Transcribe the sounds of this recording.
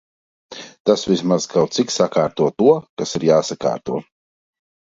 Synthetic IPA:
t̪asvismaz̥kʰawt̪siksakaːɾt̪uɔt̪uɔkasiɾjaːsaka̰ːɾt̪uɔ

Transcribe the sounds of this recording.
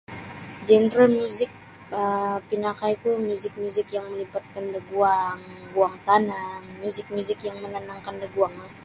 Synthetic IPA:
d͡ʒɛnɾalmuzɪk̚ | əpinakajk̪umuzɪk̚muzɪkjaŋməlipat̪̚kandəɡuaŋbuaŋt̪anaŋmuzɪk̚muzɪkjaŋmənanaŋkandəɡuaŋa

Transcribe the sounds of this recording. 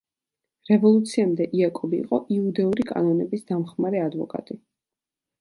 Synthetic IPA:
ɾɛvɔlˠut̪sʰiamd̪ɛʔiakʼɔbḭːqʼɔʔiud̪ɛuɾikʼa̰nɔnɛbisd̪amχmaɾɛad̪vɔkʼa̰t̪ʼi

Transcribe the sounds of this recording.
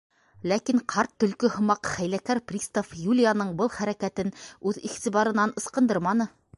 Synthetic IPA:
lækiɴqʰɑɾt̪ːɵ̆lkɵhŏmɑqχæjlækæɾprʲist̪ofjulʲijanɤɴbɤlˠχæɾækæt̪ɘnʉðiʁt̪iβɑɾɤ̆nɑnɤ̆sqɤ̆nd̪ɤɾmɑnɤ

